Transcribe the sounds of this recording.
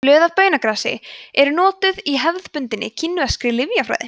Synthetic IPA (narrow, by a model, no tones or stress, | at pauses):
lœːðav̥pœːɥnakɾaːsɪ̰ɛɾʏnɔːt̪ʏðiɦɛvðpʏnt̪ɪnːɪ̰cʰɪnːʏvɛskɾɪlɪvjafɾa̰ːjðɪ̰